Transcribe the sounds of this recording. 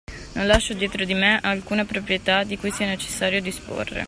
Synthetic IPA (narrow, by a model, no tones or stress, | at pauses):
nonlaʃːod̪jeːt̪ɾod̪imeʔalkuːnapɾopɾijet̪ad̪ikujsianet͡ʃe̥sːaːɾjod̪ispo̰rːḛ